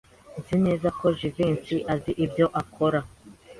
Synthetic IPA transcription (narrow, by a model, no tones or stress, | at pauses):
nzine̞ːzakʰo̞ʒiviːnsiʔaziʔibjo̞ʔakʰo̞ɾa